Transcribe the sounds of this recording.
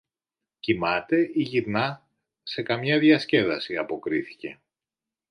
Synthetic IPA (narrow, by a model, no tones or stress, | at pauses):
cimɐt̪e̞iʝiɾnɐ | se̞kɐmɲɐðʝɐsce̞ðɐsiɐpo̞kɾiθi̥ce̞